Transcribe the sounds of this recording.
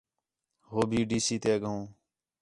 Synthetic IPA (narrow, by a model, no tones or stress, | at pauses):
ɦoːbʱiːɖiːsiːt̪eːɠəõː